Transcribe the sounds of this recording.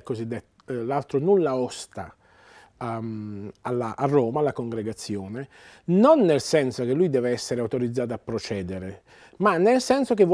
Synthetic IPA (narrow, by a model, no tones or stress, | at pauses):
kːozid̪ːet̪ː | lalt̪ɾonulːaɔst̪a̰ | a | alaʔarːɔːmalːakoŋɡɾeɡat̪sːjoːne | nonːelsɛnsok̟elːujd̪ɛːveɛsːeɾeawt̪oɾid̪zːaːt̪apːɾot͡ʃɛːd̪eɾe | manːelsɛnsok̟evː